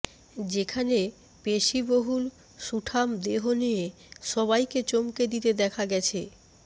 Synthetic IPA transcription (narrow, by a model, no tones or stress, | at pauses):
d͡ʑekʰane | peʃiboɦul | ʃuʈʰamd̪eɦonie | ʃɔβajket͡ɕomked̪it̪ed̪ɛkʰaɡɛt͡ɕʰe